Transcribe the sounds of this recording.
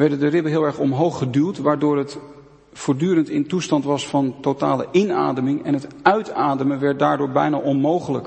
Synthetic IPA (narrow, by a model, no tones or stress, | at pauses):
ʋɛɹdəndərɪbənɦɪːlˠɛɹχɔmɦowχədylˠtʋaːɹdʊːɹɦət | fʊːɹdyːɾəntɪntustɑntʋɑsfɑntotaːlə̰ʔɪna̰ːdəmɪŋɛ̰nɦətœɥtaːdəmənʋɛɹt̚daːɹdʊːɹbɛjna̰ʔɔnmowχələ̰k